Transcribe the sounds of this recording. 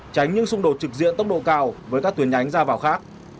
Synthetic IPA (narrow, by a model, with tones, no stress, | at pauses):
t͡ɕa˨˦jŋ̟ɲɨ˧ŋsʊ˧ŋ͡mɗo˨˩t̚t͡ɕɨ˨˩k̚zḭ˧˨ənt̪ə˦˥wk͡p̚ɗo̰˧˨kaː˧˩wvəː˨˦jkaː˦˥k̚t̪wi˨˦ənʔa˨˦jŋ̟zaː˧vaː˨˩wxaː˦˥k̚